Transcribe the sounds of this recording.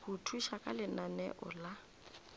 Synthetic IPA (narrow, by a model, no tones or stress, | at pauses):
hutʰuʃakʼalɪnanɛ̰ʔʊ̰la